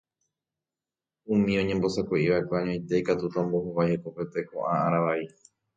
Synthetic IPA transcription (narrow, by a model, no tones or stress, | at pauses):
ũmĩõ̞ɲẽ̞mbo̞sakʷeʔiʋae̞kʷeaɲõj̃t̪e̞ikat̪ut̪aombo̞hoβajheko̞pe̞t̪e̞ko̰ʔãaɾaʋai